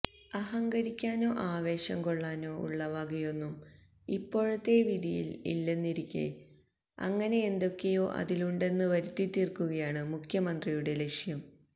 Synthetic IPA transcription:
ɐɦɐŋɡɐɾikʲːaːno̞ːʔaːʋe̞ːɕɐŋkoɭːaːno̞ːṵɭːɐʋaɡɐjo̞nːum | ipːo̞ːɻɐt̪ːe̞ʋid̪ijḭlḭlːenːiɾikʲːɐ̰ | ɐ̰ŋːɐne̞end̪o̞kːe̞jo̞ːʔɐ̰ðiluɳɖe̞nːɨʋɐɾut̪ːit̪ːirkːuɣɐjaːɳɨmukʰjɐmɐnd̪rijuɽe̞le̞kʂjɐm

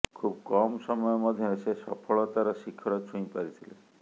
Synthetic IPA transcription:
kʰubkɔmsɔmɔjɔmɔd̪ʱjɔesesɔ̰pʰɔɭɔt̪aɾɔʃikʰːɔɾɔt͡ʃʰũĩpaɾit̪ʰile

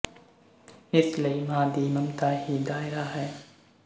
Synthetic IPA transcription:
ɪslɐimãːd̪iːmɐmt̪aːɦiːd̪aːɪɾaːɦɛː

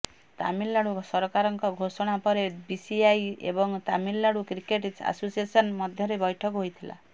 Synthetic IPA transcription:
t̪a̰milːaɽusɔɾɔkaɾɔŋkɔɡʱosɔɽ̃apɔɾebisiajḛbɔŋt̪amilːaɽukɾikeʈisa̰sosiesɔnmɔd̪ʱjɔɾebɔjʈʰɔkɦojt̪ʰila̰

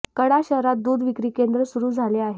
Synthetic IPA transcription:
kəɽaɕəɦɾat̪̚d̪ud̪ʋikɾiːkend̪ɾəsuɾuːd͡zʱaleaɦe

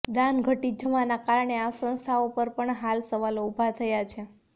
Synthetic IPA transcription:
d̪anɡʱəʈid͡ʒʱəʋanakaɾəɳeasə̃nst̪ʰaopəɾpəɳɦalsəʋaloubʱat̪ʰəjat͡ʃʰe

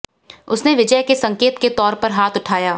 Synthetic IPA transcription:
ʊsneʋɪd͡ʒəjkesɐ̃ŋkeːt̪ket̪ɔːɾpɐɾɦaːt̪ʊʈʰaːjaː

